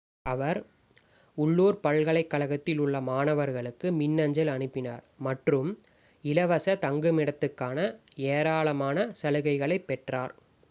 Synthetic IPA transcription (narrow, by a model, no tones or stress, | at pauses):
ɐʋɐɾ | ʊɭːuːɾpɐɭɣɐɭɐɪkːɐɭɐɣɐt̪ːɪlʊɭːɐmaːnɐʋɐɾɣɐɭɯkːɯmɪnːɐɲd͡ʒɐlɐnɯpːɪna̰ːɾmɐʈrɯm | ɪlɐʋɐsɐt̪ɐŋɡɯmɪɽɐt̪ːɯkːaːnɐeːɾaːɭɐmaːnɐsɐlɯɣɐɪɣɐɭɐɪpːɛʈraːɾ